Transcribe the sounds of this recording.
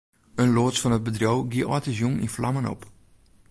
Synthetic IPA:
ənloːsfɔnət̚bədrowɡiəʔɔtəzjumḭnflamənɔ̰p

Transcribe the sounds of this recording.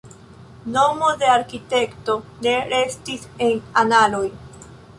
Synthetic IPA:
no̞mo̞de̞aɾkite̞kto̞ne̞ɾe̞stise̞nanalo̞j

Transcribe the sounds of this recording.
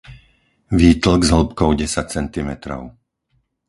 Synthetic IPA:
ʋiːt̪l̩ɡzɦl̩pkɔʊɟɛsac̚t͡sɛnt̪imɛt̪ɾɔ̰ʊ

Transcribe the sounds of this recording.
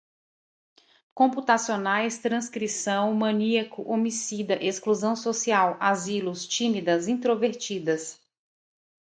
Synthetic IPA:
kõput̪asionajst̪ɾɐ̃skɾisɐ̃w̃mɐ̃niɐkʊʔomisid̪ɐʔeskluzɐ̃w̃sosiawazilʊst͡ʃĩmid̪ɐzĩt̪ɾoveɾt͡ʃid̪ɐs

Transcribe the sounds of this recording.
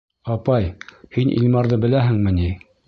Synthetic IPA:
ɑpɑjhinʔḭlʲmɑɾðɤbɘ̆læɦɘ̆ŋmɘ̆ni

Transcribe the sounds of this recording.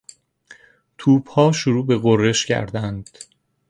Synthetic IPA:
t̪ʰuːbhɒːʃoɾuːbe̞ɣorːe̞ʃcʰæ̰ɾd̪ænd̪̥

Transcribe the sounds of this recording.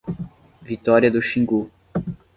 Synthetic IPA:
vit̪ɔɾiɐd̪ʊʃĩŋɡu

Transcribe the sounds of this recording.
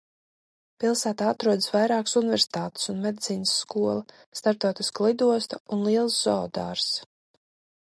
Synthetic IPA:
pilˠsæːt̪aːat̪ɾuɔd̪əsvajɾaːkḁsunɪvʲɛɾsi̥t̪aːt̪ɪ̥sunmed̪it̪siːnəsːkuɔlˠa | st̪aɾt̪ɔːt̪isklˠid̪uɔst̪aunlˠiɛlˠsz̥ɔːd̪a̰ːɾs

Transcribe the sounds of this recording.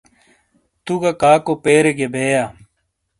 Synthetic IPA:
t̪uɡakaːkopeːɾeɡebʱeːjaː

